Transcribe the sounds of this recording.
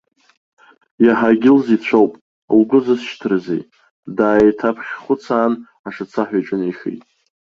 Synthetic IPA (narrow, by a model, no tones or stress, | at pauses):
jaħaɡʲɪlzit͡ɕʷʰowpʼ | lɡʊzasʃtʰrzḛj | daːitʰapʰχʲχʷʊt͡sʰaːn | aʂat͡sʰaħʷᶣajʈ͡ʂʼɨneʃḛjtʼ